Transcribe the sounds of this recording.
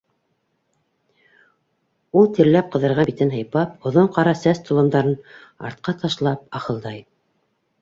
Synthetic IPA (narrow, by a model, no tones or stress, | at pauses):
ulˠt̪ɘ̆ɾlæp̚qɤ̆ðɤ̆ɾʁɑbit̪ɘnɦɤ̆jpɑpŏðoɴqɑɾɑsæst̪ʰŏlˠɤ̆md̪ɑɾɤnɑ̰ɾt̪̚qɑt̪ɑʃlˠɑp̚ɑχɤ̆lˠd̪ɑj